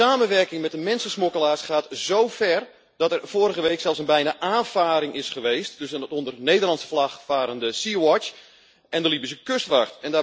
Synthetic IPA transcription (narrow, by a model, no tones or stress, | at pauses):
aːmənʋɛrkɪŋmɛt̚dəmɛnsəsmokəlaːsχaːtz̥owfɛr | dɔtɛrv̥oːɾəɣəʋeːksɛlˠfsənbɛjnaʔaːnfaːɾɪŋʔɪsχəʋeːstːøsənətɔndərnejdərlɑntsə̥flaχfaːɾəndəsiwɔt͡ʃ | ʔɛndəlibəs̬əkøstʋaχtɛndaː